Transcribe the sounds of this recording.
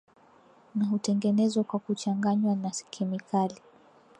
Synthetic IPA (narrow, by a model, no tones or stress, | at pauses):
naɦutɛŋɡɛnɛzwakwakut͡ʃaŋɡaɲwanaskʰɛmikʰali